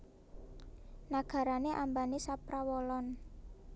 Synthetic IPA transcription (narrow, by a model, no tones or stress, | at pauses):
naɡ̥a̤ɾaneʔambanisapɾawɔlɔn